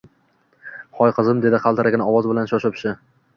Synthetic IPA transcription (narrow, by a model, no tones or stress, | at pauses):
χʰɒjqʰɨzɪmd̪e̞d̪ɪqʰɑlˠt̪ʰɪɾaɡʲɪnɒvɒzbɪlanʃɒʃɒpʃɪ